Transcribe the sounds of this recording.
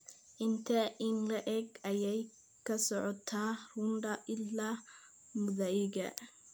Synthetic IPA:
ʔɪnt̪ʰɐʔɪnlɐʔɛɡɐjɛj | kʰɐsɔʕɔt̪ʰaːrʊnɖɐʔɪlːaː | mʊðɐɪɣɐ̰

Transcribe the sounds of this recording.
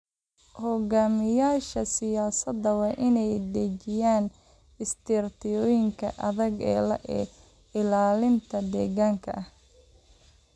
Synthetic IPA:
hɔɣaːmɪjaːʃɐsɪjaːsɐd̪ːɐwɑːʔɪnɛjd̪ɛt͡ʃɪjaːn | ɪst̪ʰɪrt̪ʰɪjɔːjɪŋkʰɐ̰ʔɐðɐɡɛ̰ːlɐ̰ʔɛː | ɪlaːlɪnt̪ʰɐd̪ɛːɣaːŋkʰɐ̰ʔɐh

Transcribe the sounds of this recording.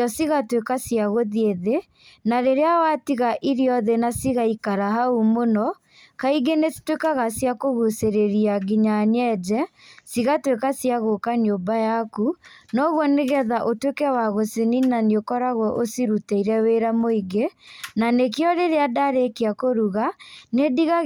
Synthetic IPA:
ɔsiɣatwekasiaɣoðieðe | naɾeɾeawatiɣaʔiɾiɔðenasiɣaikaɾaɦaumonɔ | kaiɡenesi̥twekaɣasjakoɣuseɾeɾiaɡiɲaɲɛd͡ʒɛsiɣatwekasjaɣokaɲombajakunɔɣwɔneɣɛðaʔotwekɛwaɣoseninaniokɔɾaɣɔʔosiɾuteiɾɛweɾamoiɡenanekjɔɾeɾeadaɾekeakoɾuɣanediɣa

